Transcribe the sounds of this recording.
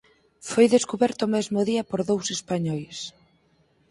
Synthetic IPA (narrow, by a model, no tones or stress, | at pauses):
fojðeskuβɛɾt̪ʊːmɛzmʊðiɐpoɾðowsespaɲɔjs